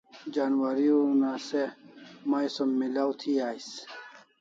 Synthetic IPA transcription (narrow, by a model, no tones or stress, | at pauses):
d͡ʑaːnwaɾiunaːsemajsɐmːilawt̪ʰiaːis